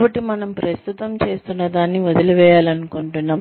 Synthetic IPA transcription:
bɐʈːimɐnɐmpɾɐst̪ʰut̪ɐmt͡ʃe̞ːst̪unːɐd̪aːnːiʋod̪ilɐʋɛːjaːlɐnukoɳʈunːaː

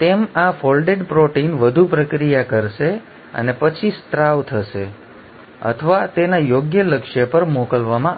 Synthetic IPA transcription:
t̪emafolɖeɖpɾoʈinʋəd̪ʱupɾəkɾijakəɾʃe | ə̰nepət͡ʃʰist̪ɾaʋt̪ʰəʃe | ə̰t̪ʰəʋat̪enajoɡjələkʃəpəɾmokəlʋamã

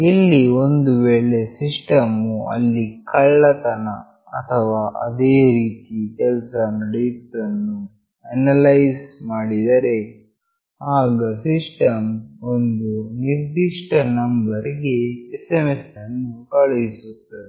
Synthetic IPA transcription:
ilːio̞nd̪uʋeːɭe̞sisʈɐmuɐ̰lːikɐɭːɐt̪ɐnɐ | ɐ̰t̪ʰɐʋaːʔɐ̰d̪eːɾiːt̪ikɛlsɐnɐɖeʈɾɐnːu | ɐnɐlɐjsmaːɽid̪ɐɾe̞ | aːɡɐsisʈɐmond̪uniɾd̪iʂʈɐnɐmbɐɾiɡeːsemesɐnːukɐɭeisut̪ːɐd̪e

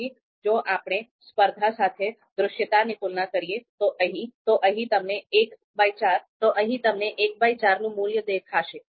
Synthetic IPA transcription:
i | d͡ʒoːʔaːpɽespəɾd̪ʱasaːt̪ʰe | d̪ɾʊʃjət̪anɪkulnakəɾiet̪oʔəɦĩt̪oʔəɦĩt̪əmneeːk | baːit͡ʃaːɾt̪oʔəɦĩt̪əmneʔeːk̚baːit͡ʃaːɾnũmuːljəd̪eːkʰaːʃe

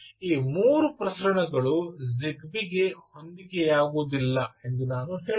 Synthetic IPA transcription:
iːmuːɾupɾɐsɐɾɐɳɐɡɐɭuzikʋiɡe̞ho̞nd̪iɡejaːɡoːd̪ilːɐe̞nd̪unaːnuɦeː

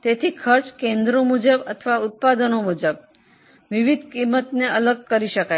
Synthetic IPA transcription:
t̪et̪ʰikʰəɾt͡ʃkẽnd̪ɾomud͡ʒəbə̰t̪ʰəʋaʊt̪̚pad̪ənomud͡ʒəb̚ | ʋiʋid̪̚ʱkimːət̪neələɡ̚kəɾiʃəkaj

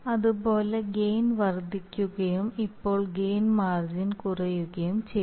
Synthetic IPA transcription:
ɐðubo̞ːleɡeːnʋɐrd̪ʱikʲːuɣɐjumipːo̞ːɭɡeːnmaːrd͡ʑinkurɐjuɣɐjumt͡ɕe

